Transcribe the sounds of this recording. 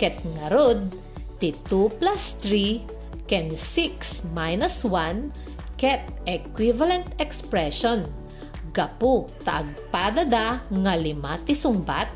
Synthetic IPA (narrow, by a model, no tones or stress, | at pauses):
kɛt̪̚ŋɐɾod̪̚ | t̪it̪uplast̪ɾi | kɛnsiksmajnɐswan | kɛt̪̚ɛkwivalɛnt̪ɛkspɹɛʃon | ɡɐput̪aʔɐɡ̚pad̪ɐd̪aŋalɪmat̪ɪsʊŋba̰t̪̚